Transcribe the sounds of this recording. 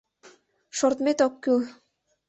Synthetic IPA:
ʃort̪met̪okːyl

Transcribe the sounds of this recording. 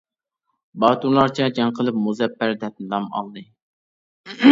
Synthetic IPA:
bɑːt̪uɾlˠɑɾt͡ʃʰɛd͡ʒɛŋqʰəlˠɨp̚muzɛpːæɾd̪ɛp̪̚nɨd̪ɑmɑ̰lˠd̪ɨ

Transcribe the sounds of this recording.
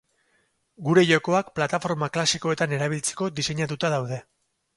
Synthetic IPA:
ɡuɾe̞ʝo̞ko̞akplat̪afo̞ɾmaklasikoe̞t̪ane̞ɾaβ̞ilt͡se̞̥ko̞d̪ise̞ɲat̪ut̪að̞awðe̞

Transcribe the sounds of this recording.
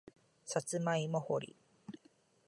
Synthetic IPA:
sat͡sɨmaimoho̰ɾʲḭ

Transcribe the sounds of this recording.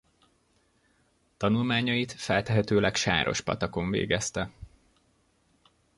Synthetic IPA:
t̪ɒnulmaːɲɒjit̪fɛlt̪ɛɦɛt̪øːlɛkʃa̰ːɾʔo̞̰ʃpɒ̰t̪ɒko̞ɱvḛːɡɛst̪ɛ

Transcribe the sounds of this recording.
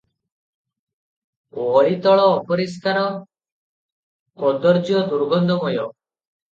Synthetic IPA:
oɔɾit̪ɔɭɔːpɔɾiskaɾɔ | kɔd̪ɔɾd͡ʒjɔd̪uɾbɔnd̪ʱɔmɔjɔ

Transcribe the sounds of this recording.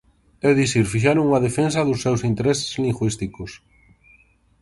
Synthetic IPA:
ewðisiɾfiʃ̬aɾʊŋɐðefens̬ɐðʊsːewsint̪eɾesɪ̥zliŋɡwist̪ikʊs

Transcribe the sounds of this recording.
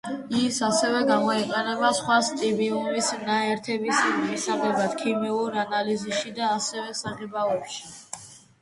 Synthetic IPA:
isasɛvɛɡamɔiqʼɛnɛbasχwast̪ʼibiumisnaɛɾt̪ʰɛbisimimisaʁɛbad̪̥kʰimiuɾanalizisʃid̪aːsɛvɛsaʁɛbaɔpʃi̥

